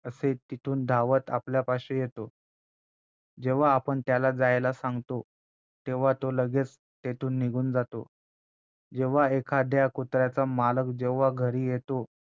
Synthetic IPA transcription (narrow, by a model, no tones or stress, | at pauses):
əset̪it̪ʰuːnd̪ʱaʋət̪a̰pljapaɕejet̪o | d͡ʑeʋ̤aːpəɳt̪jalad͡zajlasãŋɡt̪o | t̪eʋ̤at̪oləɡet͡s | t̪et̪ʰuːnːiɡʱuːnd͡zat̪o | d͡ʑeʋ̤aekʰad̪jakut̪ɾjat͡samaləkd͡ʑeʋ̤aɡʱəɾiːjet̪o